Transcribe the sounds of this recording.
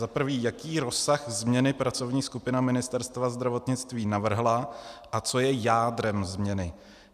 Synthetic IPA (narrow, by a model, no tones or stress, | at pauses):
zapr̩viːjakiːɾo̞saxzmɲɛnɪpɾat͡so̞vɲiːskupɪnamɪnɪst̪ɛɾst̪vazd̪ɾavo̞t̪ɲɪt͡st̪viːnavr̩ɦlaʔat͡so̞jɛjaːdɾɛmzmɲɛnɪ